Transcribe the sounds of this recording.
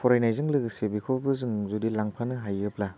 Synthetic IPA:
pʰɔɾajnajzɯŋlɯɡsebikʰɔbɯzɯŋzudilaŋpʰanɯɦajɯp̚la

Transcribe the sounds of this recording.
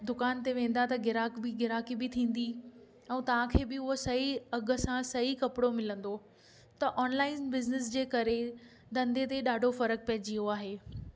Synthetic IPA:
d̪ʊkaːnt̪eʋẽːn̆d̪at̪ɐɡɪɾaːkbiɡɪɾaːkibɪt̪ʰĩːn̆d̪i | ɛ̃ːt̪ɐʋ̤ãkʰeːbɪʊɦosɐɦiɐɡə̆sãsɐɦikɐpɪɽomɪlə̃nd̪o | t̪ɐʔɔːnlaːɪnbɪznɪs̬d͡ʑeːkɐɾe | d̪ɐ̃nd̪ʱet̪eɗaːɖʱofɐɾək̚pɐɦd͡ʑioaːɦeː

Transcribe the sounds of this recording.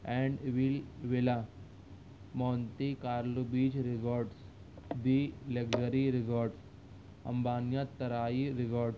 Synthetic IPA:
ɛ̃ɳɖʋilʋela | mɔnt̪ikaːɾlubiːd͡ʒɾiɡɔɾɖs | d̪ileɡd͡ʒəɾiɾiɡɔːɾɖs | ɐ̰mbaːnjat̪ːɐɾaiɾiɡɔːɾɖs

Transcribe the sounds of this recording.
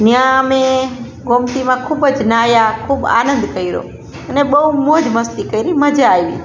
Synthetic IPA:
njãme | ɡomt̪imãkʰubəd͡ʒnajakʰuba̰nə̃nd̪kəiɾo̰ | əneɓəumod͡ʒməst̪ikəiɾiməd͡ʒaːjʋḭ

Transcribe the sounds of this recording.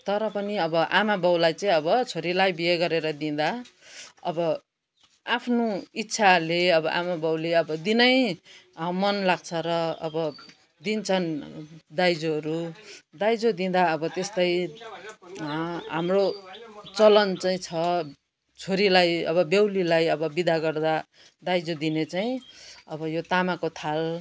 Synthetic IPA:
t̪ʌɾʌpʌniʌbʌʔamabʌwlajt͡sʌĩʌbʌt͡sʰoɾilajbieɡʌɾeɾʌd̪ĩd̪a | ʌ̰bʌ | apʰnoit̪ːsʰaleʌbʌʔamabʌwleʌbʌd̪inʌj | mʌnlaɡ̚t͡sʰʌɾʌʌ̰bʌ | d̪int͡sʰʌnd̪ajd͡zoʌɾud̪ajd͡zod̪ĩd̪aʌbʌt̪est̪ʌj | ɦamrot͡sʌlʌnt͡saĩt͡sʰʌ | t͡sʰoɾilajʌ̰βʌbjewlilajʌbʌbid̪aɡʌrd̪a | d̪ajd͡zod̪inet͡saĩʌbʌjot̪amakot̪ʰal

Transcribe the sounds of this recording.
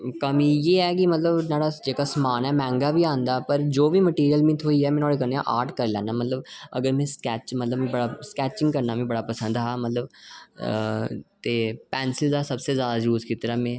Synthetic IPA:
kəmiːjeːɛːkimət̪ləbnaːɽad͡ʒeːkasəmaːnɛːmɛ̃ːŋɡaːbʱiãːnd̪aːpəɾd͡ʒoːbʱiːməʈiːɾijəlmĩːt̪ʰoːiɛːmɛ̃ːnoːɽeːkənejã̰ʔaːɾʈkəɾlɛ̃ːnaːmət̪ləbə̰ɡəɾmẽskɛːt͡ʃmət̪ləbẽbəɽaːskɛːt͡ʃɪ̃ŋɡ̚kəɾnaːmĩːbəɽaːpəsə̃nd̪ɦaːmət̪ləb | t̪eːpɛːnsɪld̪aːsəbsezjaːd̪aːjuːzkɪt̪əɾaːmẽː

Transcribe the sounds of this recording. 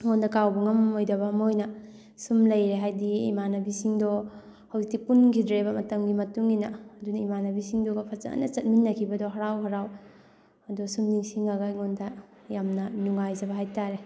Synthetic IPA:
ŋɔndʰɐkawbɐŋɐmojdɐbɐmojnɐ | sumlɐjɾeɦajdiḭmanɐbisiŋdɔ | hɐwiktipunkʰidɾebɐmɐtɐmɡimɐtuŋinaɐdunaimanɐbisiŋdɔɡɐpʰat͡ʃa̰a̰nɐt͡ʃɐt̚minːɐkʰibɐdɔɦɐɾawɦɐɾaw | ɐdusumniŋsiŋaɡaiŋontʰa | jamnɐnuŋajzɐbɐɦajtaɾe

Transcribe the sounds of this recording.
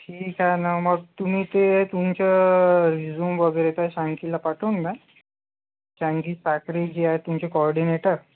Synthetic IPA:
ʈʰiːkanaməɡ̚t̪um̤iːt̪et̪umt͡ɕəɾid͡zuːmʋəɡəjɾet̪aɕãŋkilapaʈʰuːnba | ɕãŋkiːtakɾid͡ʑiaɦet̪ːumt͡ɕekɔɾɖineʈəɾ

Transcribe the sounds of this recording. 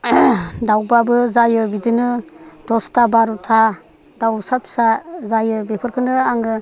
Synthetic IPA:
dawbabɯzajɯbidɯnɯd̥ɔstabaɾutʰa | dawsapsazajɯbepʰɯɾkʰɯnɯaŋɯ

